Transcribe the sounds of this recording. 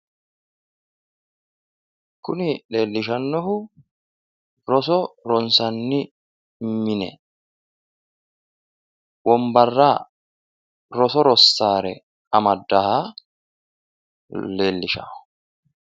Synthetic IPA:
kːʊnɪle̞ːlːɪʃ̬ɐnːɔhʊ | ɾɔsɔɾɔnsɐnːɪ | mɪnɛ̰ | wɔmbɐrːaː | ɾɔsɔɾɔsːaːɾɛ̰ | ɐmɐd̪ːɐha | leːlːɪʃa̰ːʊ

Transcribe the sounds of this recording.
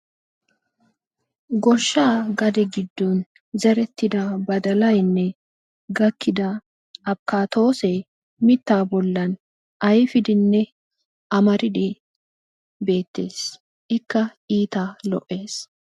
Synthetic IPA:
ɡɔɾʃːaːɡɐd̪ɛɡɪd̪ːuːn | zɛɾɛt̪ːɪd̪aːbɐd̪ɐlɐjnːɛ | ɡɐkːɪd̪a | ɐbkaːt̪o̞ːsɛ | mɪt̪ːaːbɔlːɐn | ɐjɪfɪd̪ɪnːɛ | ʔɐmɐɾɪᶑe | be̞ːt̪ːe̞ːs | ʔɪkːɐiːt̪aːlɔ̰ʔe̞ːs

